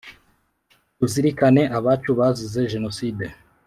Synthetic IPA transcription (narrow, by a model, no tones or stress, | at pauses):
tuziɾikane̞ʔaβat͡ʃuβazize̞ʒe̞no̞siːde